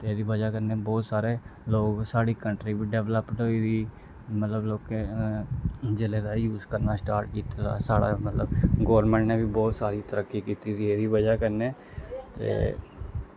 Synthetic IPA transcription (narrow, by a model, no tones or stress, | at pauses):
t̪eeːd̪iːbəd͡ʒaːkəɾneːbɔːt̪saːɾeːloːɡsaːɽiːkəɳʈɾiːbiːɖɛːʋləpɖoːid̪iː | mət̪ləbloːkeː | d͡ʒeleːd̪aːjuːzkəɾnaːsʈaːɾʈ̚kiːt̪ad̪a̰ːsaːɽa̰ːmət̪ləbɡɔːʋəɾmẽːɳʈneːbiːbɔːt̪saːɾiːt̪əɾəkːiːkiːt̪iːd̪ieːd̪iːbəd͡ʒaːkəɾneː | t̪ḛː